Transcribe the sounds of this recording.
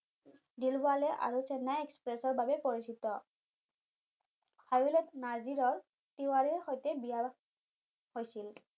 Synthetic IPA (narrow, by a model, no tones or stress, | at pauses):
dilbʊalɛʔa̰ɹusɛnaɛkspɹɛsɔɹbabɛpoɹisitɔ | hajulɛtnaziɹɔɹ | tiwaɹiɹxojtɛbija | hojsil